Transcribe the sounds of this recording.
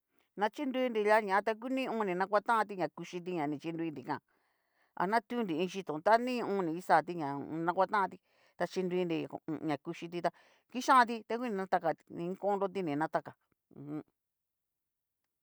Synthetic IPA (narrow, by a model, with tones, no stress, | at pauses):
nã˧t͡ʃi˦ndu˧i˦nɾi˧ja˦ɲã˨ã˧t̪a˧k̬u˦nĩ˦˧õː˦˧nĩ˧nã˧k̬ʷa˦t̪ã˦ʔã˧t̪i˧ɲã˨ku˧ʃi˧t̪̬i˧ɲã˨nĩ˨t͡ʃi˧nd̪u˧i˧ndi˨kã̰˦˨ | a̰˨nã˦t̪u˦ndi˨ĩː˧ʃi˧t̪õ˨˧t̪a˦nĩ˦˧ũ˧˦˧nĩ˨i˦saː˦˨t̪i˦ɲã˨˧nã˧kʷa˦t̪ã˦ʔã˧t̪i˧ | t̪a˧t͡ʃi˧nd̪u˧i˧ndi˧˨˧ɲã˨ku˧ʃi˧t̪̬i˧t̪a˧ | ki˦ʃã˦˧t̪̬i˧t̪a˦ku˦nĩ˧nã˦t̪a˧ka˧˨˧nĩ˧˦kõ˦nɾo˦t̪̬i˧nĩ˨nã˦t̪a˧kã˨ | hũ˧˦